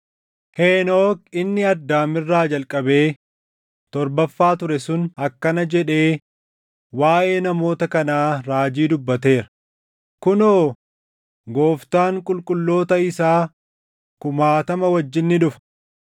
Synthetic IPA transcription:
heːno̞ːkɪnːɪɐd̪ːaːmɪrːaːd͡ʒɐlkʼɐbe̞ː | t̪ɔɾbɐfːaːt̪ʊɾɛsʊnɐkːɐnɐd͡ʒɛᶑe̞ː | waːʔe̞ːnɐmo̞ːt̪ɐkɐnaːɾaːd͡ʒiːd̪ʊbːɐt̪e̞ːɾɐ̥ | kʊnoː | ɡo̞ːft̪aːŋkʼʊlkʼʊlːo̞ːt̪ɐɪsaː | kʊmaːt̪ɐmɐwɐd͡ʒːɪnːɪᶑʊfɐ̥

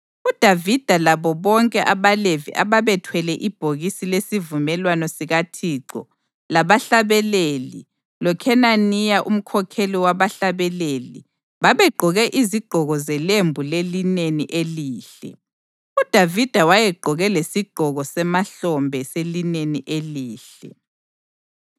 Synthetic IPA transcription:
ud̥ʱavid̥ʱalaβɔβɔŋkʼɛʔaβalevḭʔaβaβɛtʰwɛlɛʔib̥ʱoɣisilesivumɛlwanɔsiɣatʰiːǀɔ̰ | laβaɬaβɛlelḭ | lɔkʰɛnanijaʔum̩kʰɔkʰeliwaβaɬaβɛleli | βaβɛɡ͡ǃʱɔɣɛʔiziɡ͡ǃ̥ʱɔɣɔzɛlembʱulelineniʔeliːɬɛ̰ | ud̥ʱavid̥ʱawajɛɡ͡ǃʱɔɣɛlesiɡ͡ǃ̥ʱɔɣɔsɛmaɬɔmbʱɛselineniʔeliːɬɛ̰

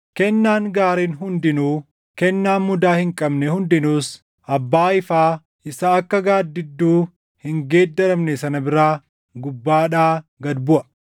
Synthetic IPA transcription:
kɛnːaːŋɡaːɾiːnɦʊnd̪ɪnuː | kɛnːaːnmʊd̪aːhɪŋkʼɐbnɛhʊnd̪ɪnuːs | ʔɐbːaːɪfaː | ʔɪsaɐkːɐɡaːd̪ːɪd̪ːuː | hɪŋɡeːd̪ːɐɾɐmnɛsɐnɐbɪɾaː | ɡʊbːaːᶑaːɡɐd̪bʊʔɐ

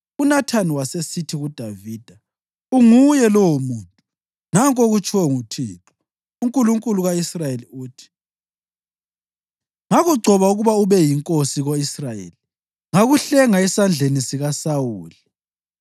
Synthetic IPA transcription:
unatʰaniwasesitʰiɣud̥ʱaviːd̥ʱa | uŋujɛlɔwomuːntʼu | naŋkʼoɣut͡ʃʰʼiwɛŋutʰiːǁɔ̥ | uŋkʼuluŋkʼuluɣaisrajeliuːtʰi̥ | ŋaɣuɡ͡ǀʱɔβauɣuβauβɛjiŋkʼosiɣoisrajḛli | ŋaɣuɬɛŋaisand͡ɮʱenisiɣasawuːli

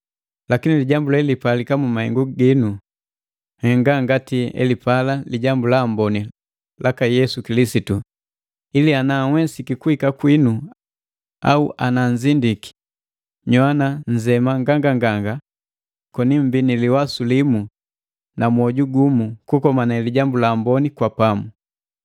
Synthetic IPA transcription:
lakiniliɟambulalipalikamumahɛ̰ŋɡuɡinu | hɛŋɡaŋɡatiɛ̰lipalaliɟambulaːmbɔni | lakajɛsukilisitu | ilianaːŋwɛsikikuhikakwinu | auʔanaɲzindiki̥ | ɲwanaɲzɛmaŋɡaŋɡaŋɡaŋɡa | kɔnim̩biniliwasulimu | namuɔɟuɡumukukɔmanaliɟambulaːmbɔnikwapamu

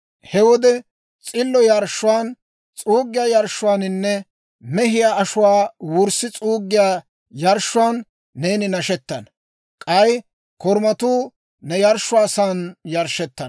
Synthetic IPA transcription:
hɛwɔd̪ɛ | t͡sʼɪlːɔjɐɾʃːʊwaːn | t͡sʼuːɡːɪjaːjɐɾʃːʊwaːnɪnːɛ | mɛɦɪjaːɐʃʊwaːwʊɾsɪt͡sʼuːɡːɪjaː | jɐɾʃʊwaːnː | eːnɪnɐʃɛt̪ːɐn | kʼɐj | kɔɾmɐt̪uː | nɛjɐɾʃːʊwaːsaːnjɐɾʃɛt̪ːɐn

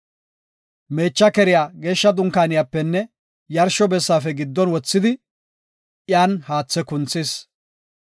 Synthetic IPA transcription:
me̞ːt͡ʃːɐkɛɾɪjaːɡe̞ːʃːɐd̪ʊŋkaːnɪjaːpːɛnːɛ | jɐɾʃɔbɛsːaːfɛɡɪd̪ːɔnwɔt͡sːɪd̪ɪ | ʔɪjaːnhaːt͡sːɛkʊnt͡sːeːs

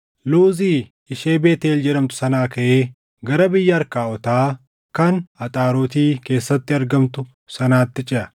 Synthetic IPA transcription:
luːziː | ɪʃeːbeːt̪eːld͡ʒɛɾɐmt̪ʊ̥sɐnaːkɐʔeː | ɡɐɾɐbɪjːɐːɾkaːɔt̪aː | kɐnɐt̪ʼaːɾoːt̪iːke̞ːsːɐt̪ːɪɐɾɡɐmt̪ʊ | sɐnaːt̪ːɪt͡ʃʼɪʔɐ

